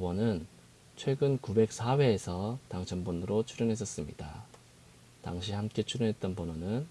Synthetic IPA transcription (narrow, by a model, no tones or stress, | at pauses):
bʌnɯn | t͡ɕʰwe̞ɡɯnkube̞k̚s͈ʰawe̞ːsʰʌtaŋt͡ɕʰʌnbonɯɾot͡ɕʰuɾjʌnɦe̞s̬͈ʌs͈ɯmɲḭda̰ | ta̰ŋɕʰihamk͈e̞t͡ɕʰuɾjʌnɦe̞t̚t͈ʌnpʌnʌnɯn